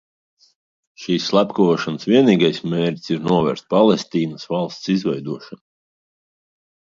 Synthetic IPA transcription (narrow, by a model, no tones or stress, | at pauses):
ʃiːsːlˠapkavɔʃansvʲiɛniːɡajsmʲeːɾt̪ʲsiɾnuɔvæ̰ɾt̪̚palˠɛst̪iːnəsvɑlˠst̪sizvɛjd̪uɔʃan